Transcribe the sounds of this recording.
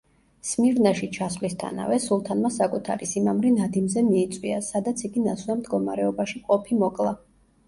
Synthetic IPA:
smiɾnaʃit͡ʃʰasvlist̪ʰa̰na̰vɛsulˠt̪ʰanmasakʼut̪ʰa̰ɾisimamɾinad̪imzɛmiːt̪sʼwiasad̪at̪sʰiɡinaswamd̪ɡɔmaɾɛɔbaʃiqʼɔpʰimɔkʼlˠa

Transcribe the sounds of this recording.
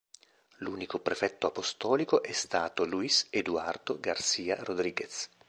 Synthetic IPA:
luːnikopɾefɛt̪ːoapost̪ɔːlikoʔɛst̪aːt̪oluised̪uard̪̥oɡarsiːa̰rod̪ɾiːɡes

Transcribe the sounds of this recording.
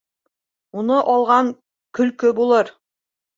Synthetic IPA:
unɤʔɒlˠʁɑŋ | kɵ̆lkɵbulˠɤɾ

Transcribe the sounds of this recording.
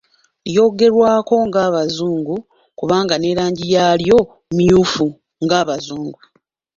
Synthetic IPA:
jo̞ːɡe̞ɾwaːko̞ŋɡaːβazuːŋɡu | kuβaːŋɡane̞ːɾaːɲɟijaːljo̞ | mijuːfu | ŋɡaːβazuːŋɡu

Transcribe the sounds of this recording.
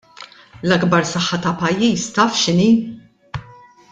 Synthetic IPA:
lɐɡbɐɾsɐħːɐt̪ɐpɐjːiːst̪ɐːfʃɪniː

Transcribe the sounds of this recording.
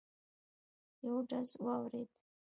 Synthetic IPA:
jawʈ͡ʂʼazwawretʼ

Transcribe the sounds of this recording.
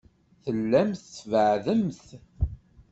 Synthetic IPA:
θəlːæmθvəʕðəmθ

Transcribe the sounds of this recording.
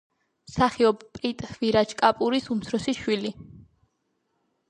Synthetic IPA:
msaχiɔbpʼɾit̪ʼviɾat͡ʃʰkʼapʼuɾisumt̪sʰɾɔsiʃwili

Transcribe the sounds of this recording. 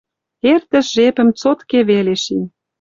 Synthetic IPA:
ert̪ə̆ʃʒepə̆mt͡sot̪keβeleʃinʲ

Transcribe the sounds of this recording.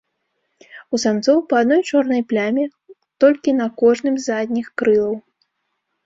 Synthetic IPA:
usant̪sɔwpɐad̪nɔjt͡ʂɔrnɐjplʲamʲɛ | t̪ɔlʲkʲinɐkɔʐnɨmzad̪ʲnʲixkɾɨlˠɐw

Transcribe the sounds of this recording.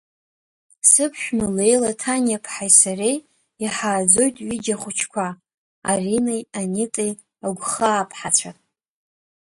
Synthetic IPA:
sɨpʰʃᶣmɨle̞jlatʰanjapʰħajsarej | iħaːd͡zo̞jtʼɥid͡ʒaχʷʊt͡ʃʰkʷʰa | a̰rinejanɪtʼej | aɡʷχaːpʰħat͡sʷʰatʼ

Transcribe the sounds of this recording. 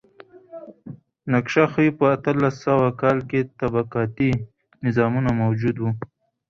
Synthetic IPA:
nakʃaxəipəat̪əlasːawakɑlket̪abaqɑt̪i | nɪzɑmunamawd͡ʒud̪wu

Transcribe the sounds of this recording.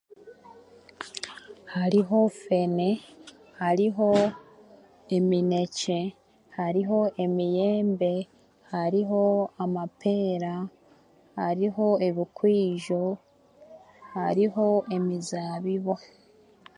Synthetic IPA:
haɾiɦo̞fe̞ne̞ | haɾiɦo̞ | e̞mine̞ce̞ | haɾiɦo̞ʔe̞mije̞ːmbe̞ | haɾiɦo̞amapʰe̞ːɾa | haɾiɦo̞e̞βikwiːʒo̞ | haɾiɦo̞e̞mizaːβiβo̞

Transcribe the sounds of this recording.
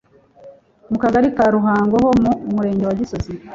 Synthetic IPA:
mukaɡaɾikaːɾuɦaːŋɡoɦomumuɾe̞ːɲɟewaɟisozi

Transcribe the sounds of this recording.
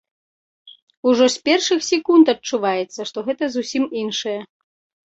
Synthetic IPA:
uʐɔsʲpʲɛrʂɨxsʲɛkunt̪ɐt͡ʂːuvajɛt̪sːɐʂt̪ɔɣɛt̪ɐzusʲiminʂɐjɛ

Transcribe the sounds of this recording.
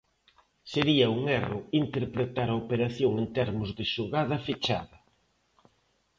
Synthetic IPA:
seɾiɐuŋɛrʊint̪eɾpɾet̪aɾɐopeɾaθjoŋent̪ɛɾmʊzðɪʃoɣað̞ɐfit͡ʃa̰ðɐ

